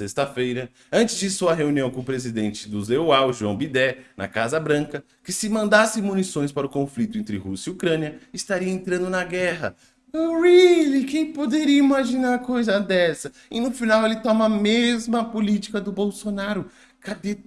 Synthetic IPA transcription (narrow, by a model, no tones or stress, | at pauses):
est̪ɐfejɾɐ | ɐ̃nt͡ʃɪzd͡ʒɪsuɐɦeuniɐ̃w̃kõʊpɾezid̪ẽnt͡ʃɪd̪ʊzewawʒuɐ̰̃w̃bid̪ɛnʔɐ̰kazɐbɾɐ̃ŋkɐ | kɪsɪmɐ̃nd̪asẽmunisõj̃spaɾʊkõflit̪ʊẽnt̪ɾɪhusɐiukɾɐ̃niɐɪst̪aɾiɐẽnt̪ɾɐ̃nd̪ʊnɐɡɛɦɐ | oɾilikẽj̃pod̪eɾiɐimaʒinaɾkojzɐd̪ɛsɐ | ɪnʊfinawelɪt̪ɔmɐːmezmɐpʊlit͡ʃi̥kɐd̪ʊbowsonaɾʊ | kabe